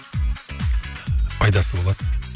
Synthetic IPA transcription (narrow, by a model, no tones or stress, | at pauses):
ɑjd̪ɑsəbo̞lˠɑd̪